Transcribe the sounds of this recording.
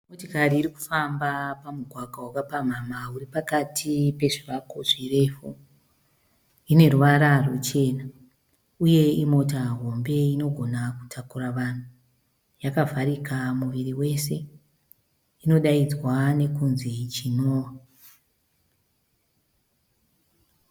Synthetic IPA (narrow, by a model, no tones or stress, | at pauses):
motikaɾiːɾiku̥fambapamuɡʱwaɡʱawakapam̤amauripakatʰipe̞ʐiʋakoʐire̞fu | ine̞ruʋaɾarut͡ʃe̞ːna | uje̞imo̞taɦo̞mbe̞ino̞ɡʱo̞naku̥tʰakuɾaʋan̤u | jakavʱaɾikamuʋiriwe̞se̞ | ino̞ɗaid͡zwane̞kunzit͡ʃinoːwa